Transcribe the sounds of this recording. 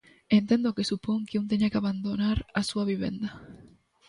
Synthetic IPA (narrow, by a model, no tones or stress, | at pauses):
ent̪ẽnd̪okesupoŋkeunt̪̬eɲakeaβand̪onaɾasuaβiβḛnd̪a